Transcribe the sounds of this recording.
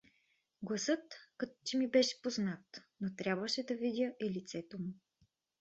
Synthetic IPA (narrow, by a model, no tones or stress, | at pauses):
ɡlˠɐsɤt̪kɐt̪o̥t̪imibɛʃɛ̥poznat̪not̪ɾʲabvəʃɛd̪ɐvid̪ʲjəʔilit̪sɛt̪omu